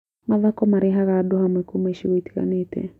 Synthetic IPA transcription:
mavakɔmaɾeɦaɣaːdohamwekomeʃiwaiti̥ɣa̰neːtɛ̰

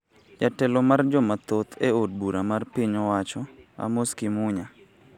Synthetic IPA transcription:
jatɛlɔmard͡ʒɔmat̪ot̪ʰeod̚buɾamarpiɲɔwat͡ʃɔa̰moskimʊɲa

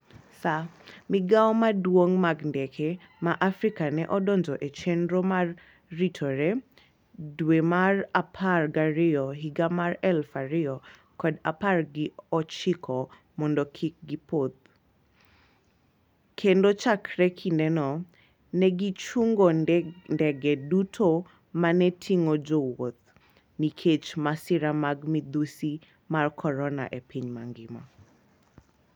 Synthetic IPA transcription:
samiɡaɔmadwoŋmaɡndɛkʰɛ | maʔafɾikanɛʔɔdɔnd͡ʒɔʔet͡ʃendɾɔmarː | itʰɔɾɛ | dwemarapʰarɡaɾɪɔɦiɡamarɛlfaɾɪɔ | kɔdaparɡɪɔt͡ʃɪkʰɔ | mɔndɔkʰik̚ɡipot̪̚ | kʰendot͡ʃakɾɛkʰinɛnɔ | nɛɡit͡ʃuŋɡɔndɛɡɛdutʰo | manɛtʰiŋɔd͡ʒowot̪̚ | nikʰet͡ʃmasiɾamaɡmid̪usi | markʰɔɾɔna̰ʔepiɲmaŋɡɪmɔ

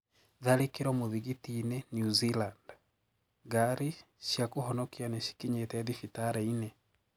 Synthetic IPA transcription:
ðaɾekeɾɔmoðiɣitinenjuziland | ɡaɾi | ʃjakohɔnɔkianeɕi̥kiɲetɛðifitaɾɛine

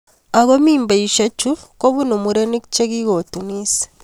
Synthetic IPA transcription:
aɣomiːmbaiʃat͡ʃukoβunomuɾenekit͡ʃeɣiɣotunise̥

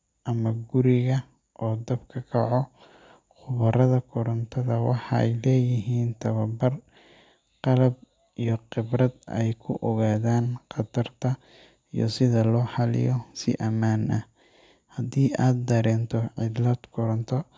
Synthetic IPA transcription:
ʔɐmɐɡʊɾɪɣɐ | ʔɔːd̪ɐbkʰɐkʰɑʕɔ | qʊβɐɾɐðɐkʰʊɾɐnt̪ʰɐðɐwɑħɑɛ̰jlɛːjɪɦiːnt̪ʰɐβɐbɐr | qɑlɐb̚ | ijɔqɪbrɐd̪ɛ̰jkʰʊʔɔɣaːðaːnqɑd̪ɐrt̪ʰɐ | ijɔ̰sɪðɐlɔːħɑlɪ̰jɔsɪ̰ʔɐmaːnʔɐ | hɐd̪iːʔaːd̪̚d̪ɐɾɛːnt̪ʰɔʕɪd̪lɐd̪kʰʊɾɐnt̪ʰɔ

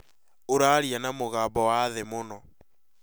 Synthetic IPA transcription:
oɾaɾianamoɣaːbɔwaðemonɔ

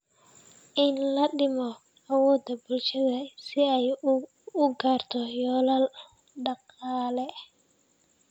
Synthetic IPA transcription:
ʔɪnlɐɗɪmɔ | ɐwɔːd̪ɐbʊlʃɐðɐsɪɛj | ʊɡaːrt̪ʰɔjɔːlal | ɖɑqɑːlɛ

